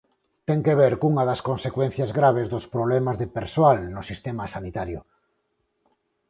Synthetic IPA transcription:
t̪eŋkeβ̞eɾkuŋaðaskonsekwen̟θjazɣɾaβ̞ezðospɾoβlemazðepeɾsoalnosist̪emasanit̪aɾjʊ

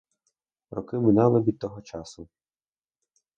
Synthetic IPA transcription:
ɾɔkɪmɪnɑlˠɪʋʲid̪̚t̪ɔɦɔt͡ʃɑsʊ

